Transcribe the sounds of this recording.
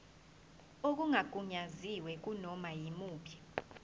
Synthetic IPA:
ok̬uŋaɡ̥ʱuɲaziwɛk̬unɔmajimuːpʰḁ

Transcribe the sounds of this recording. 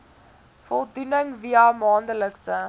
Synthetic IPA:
fɔlˠdunəŋviəmɑːndələkstə

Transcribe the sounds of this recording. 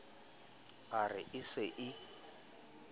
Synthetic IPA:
arɪ̰ʔɪsɪʔɪ

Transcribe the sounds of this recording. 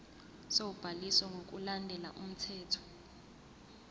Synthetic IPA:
sewub̥ʱalisɔŋɡʱok̬ʼulandʱɛla̰ʔum̩tʰɛːtʰɔ̥

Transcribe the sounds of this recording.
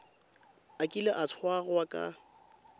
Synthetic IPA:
akʼilɪʔasʰwaɣwakʼa̰

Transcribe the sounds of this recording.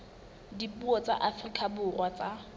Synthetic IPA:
dipuɔt͡sʼa̰ʔafrikʼabʊrwat͡sʼa

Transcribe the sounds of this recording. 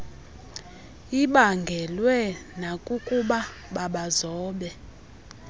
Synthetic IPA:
iɓaŋɡʱɛlwɛnakʼukʼuɓa | ɓaɓazɔːɓɛ

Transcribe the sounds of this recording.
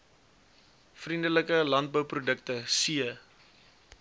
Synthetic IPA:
frindələkəlɐnt̚bəwprudək̚təsiə

